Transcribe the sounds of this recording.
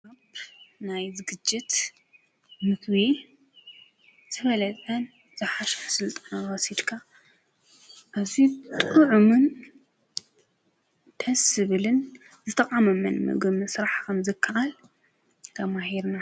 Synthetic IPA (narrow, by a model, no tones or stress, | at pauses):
abnajzɨɡɨd͡ʒːɪt̪ | mɨkʰβi | z̥ɨfɐlɐt̪ʼɐn | z̥ɨħaʃħsɨlt̪ʼanawɔsid̪kʰa | ʔazit̪ʼɨʕumɨn | t̪ʰɐsɨβɨlɨn | zɨt̪ʰɐqʼamɐmɐ̰nmɨ̰ɡɨmɨsɾaħkʰɐmzɨkʰːaʔal | t̪ʰɐmahiɾna